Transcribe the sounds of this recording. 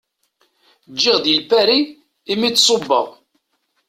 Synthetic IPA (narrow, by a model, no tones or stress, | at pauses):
d͡ʒːiʁðilpæɾiː | mit͡sːsˤobːəʁ